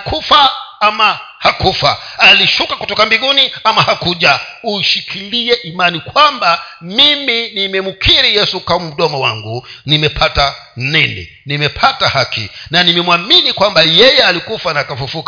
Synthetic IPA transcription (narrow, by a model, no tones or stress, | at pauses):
kufaama | hakufaaliʃukakutɔkambiɡuniamahakuʄauʃikʰiliɛʔimanikwambamiminimɛmukʰiɾijɛsukamum̩ɗɔmɔwa̰ŋɡunimɛpʰata | nɛnɛ̰ | nimɛpʰatahakʰḭnanimɛmwaminikwambajɛjɛalikufanaːkafufuk